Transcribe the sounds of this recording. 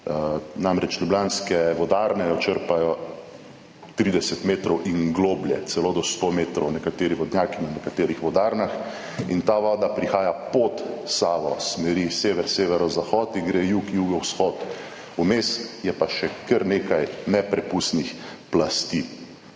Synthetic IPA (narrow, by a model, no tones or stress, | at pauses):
namɾɛt͡ʃlʲublʲanskɛʋɔd̪aːɾnɛjɔt͡ʃəɾpajɔ | t̪ɾiːd̪ɛsɛt̪meːt̪ɾɔwʔiŋɡloːbljɛ̰t̪sɛlod̪ɔst̪omeːt̪ɾɔwnɛkat̪eːɾiʋɔd̪njakinanɛkat̪eːɾixʋɔd̪aɾnax | int̪aʋaːd̪apɾixaːjapɔt̪saːʋɔ̰smɛɾiseːʋɛɾseːʋɛɾɔzaxɔːt̪iɡɾejuːkjuːɡɔwsxɔt̪ | umeːst̪jɛpaʃɛkəɾneːkajnɛpɾɛpust̪nixplast̪i